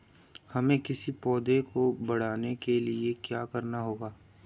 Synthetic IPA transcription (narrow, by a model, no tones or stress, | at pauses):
hɐmẽkɪsipɔːd̪ẽkobɐɽ̤aːnekeliekjaːkɐɾnaɦoːɡaː